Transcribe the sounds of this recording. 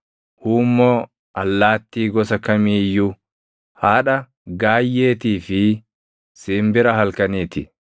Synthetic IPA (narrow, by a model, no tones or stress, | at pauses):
huːmːoː | ʔɐlːaːt̪ːiːɡɔsɐkɐmiːjːʊ | haːᶑɐ | ɡaːjːe̞ːt̪iːfɪ | sɪːmbɪɾɐhɐlkɐniːt̪ɪ̰